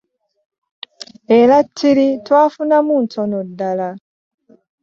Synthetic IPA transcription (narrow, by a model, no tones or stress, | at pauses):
eɾatʰːiɾitwaːfunamuntʰonodːala